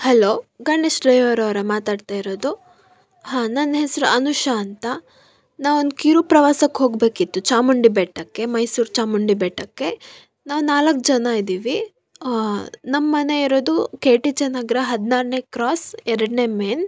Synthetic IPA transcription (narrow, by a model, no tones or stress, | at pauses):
hɐlo̞ːɡɐɳɖeʃɾɐjɐʋɾɐʋɾɐmaːt̪aːɖt̪aːjiɾoːd̪u | ɦaːnɐnɦesɾuɐnuʃɐːnt̪ɐ | naːʋond̪kiɾupɾɐʋaːsɐkɦo̞ːɡbe̞ːkit̪ːut͡ʃaːmuɳɖibɛʈːɐkːe̞mɐjsuːɾt͡ʃaːmuɳɖibɛːʈːɐkːe̞ | naːʋunaːlɐkːd͡ʒɐnaid̪iːʋi | nɐmːɐne̞iɾo̞ːd̪ukeːʈit͡ʃɐnaːɡɾɐɦɐd̪naːɾne̞kɾaːsɛɾɐɽnemeːn